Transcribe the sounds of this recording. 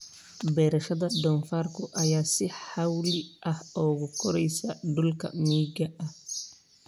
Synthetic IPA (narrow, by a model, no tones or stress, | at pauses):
bɛːɾɛʃɐd̪ɐdɔnfaɾkɔʔɐjaːsɪħawliʔɐhɔːɡʊkʰɔɾɛjsadʊlkɐ̰miːɡɐɐh